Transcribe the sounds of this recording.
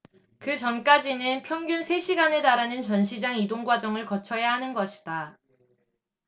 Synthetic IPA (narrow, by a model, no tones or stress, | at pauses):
kɯt͡ɕʌnk͈ad͡ʑinɯnpʰjʌŋɡjunsʰe̞ɕʰiɡane̞taɾanɯnt͡ɕʌnɕʰid͡ʑaŋidoŋɡwad͡ʑʌŋɯɭkʌt͡ɕʰʌjaɦanɯnɡʌɕʰi̥d̥a